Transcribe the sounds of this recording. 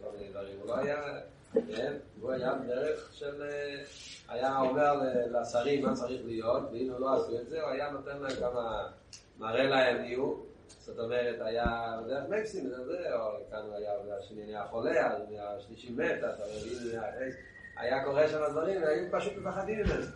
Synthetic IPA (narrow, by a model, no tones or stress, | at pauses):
kolmined̪vaʁimuloaja | kenuajabdeʁeχʃele | a̰jaome̞ʁleleasaʁimːat͡saʁiχlijot̪veilulo̞asuetzeoajano̞t̪enlankama | maʁelaeviu | z̥ot̪o̞me̞ʁet̪ajabed̪eʁeχmaksimenalzeokanuajabdeʃenianeaχo̞leazmeaʃliʃimːet̪at̪amevinae | a̰jako̞ʁeʃalad̪vaʁimveajupaʃut̪̚mefaχad̪imedeze